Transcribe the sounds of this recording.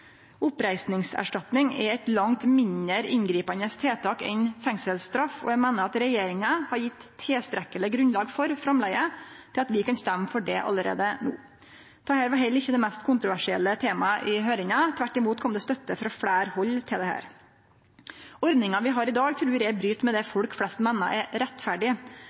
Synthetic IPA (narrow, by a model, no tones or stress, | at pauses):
ʊpɾæɪsnɪŋsæ̰ʂʈɑt̪nɪŋɛɾɛt̪lɑŋt̪mɪnəɾɪ̰nɡɾiːpɑnəst̪ʰeːt̪ʰɑːkɛ̰nfɛŋsəlst̪ɾɑfɔ̰jæmæːnəɾɑt̪ɾɛjeːɾɪŋɑhɑɾjɪt̪ʰːeːst̪ɾɛkːələɡɾʉnlɑːɡfɔɾfɾɑmlæɪət̪ʰɪlɑt̪ʋɪkɑnst̪æmːəfɔɖɛʔɑ̰lːəɾḛːd̪əno̰ː | d̪ɛhæːɾʋɑɾɦɛlːɾɪçːəd̪ɛmɛst̪kʰʊnt̪ɾʊʋæʂɪɛ̰lːət̪ʰeːmɑʔɪɦøːɾɪŋɑt̪ʰʋæʈːɪmuːt̪kʰɔmd̪ɛst̪œt̪ːəfɾɑfɽæːɾhɔlːt̪ʰɪld̪ɛhæ̰ːɾ | ɔɾd̪nɪŋɑʋɪɦɑɾɪd̪ɑːɡt̪ʰɾʉːɾɛæbɾyːt̪mɛd̪ɛfɔlkflɛst̪meːnə̰ʔɛɾɾɛt̪ːfæɖɪ